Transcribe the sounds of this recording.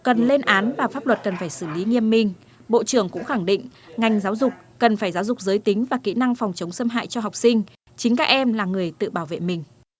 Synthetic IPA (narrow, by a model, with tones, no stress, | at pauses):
kə˨˩nle˧nʔaː˨˦nvaː˨˩faː˦˥p̚lwə˨˩t̚kə˨˩nfaː˧˩jsɨ˧˩li˨˦ŋi˧əmːï˨˩ŋ̟ | ɓo̰˧˨t͡ɕɨ˧˩əŋkʊ̰˧˥ŋ͡mxa˧˩ŋɗḭ̈˧˨ŋ̟ŋa˨˩jŋ̟zaː˨˦wzʊ˨˩k͡p̚ːkə˨˩nfaː˧˩jza˨˦wzʊ˨˩k͡p̚zəː˨˦jt̪ï˨˦ŋ̟vaː˨˩kḭ˧˥na˧ŋfɔ˨˩wŋ͡mt͡ɕə˨˦wŋ͡msə˧mɦa̰ː˧˨jt͡ɕɔ˧ɦa˨˩wk͡p̚sï˧ŋ̟ | t͡ɕï˨˦ŋ̟kaː˦˥k̚ʔɛ˧mlaː˨˩ŋɨ˨˩əjt̪ɨ̰˧˨ɓaː˧˩wvḛ˧˨mï˨˩ŋ̟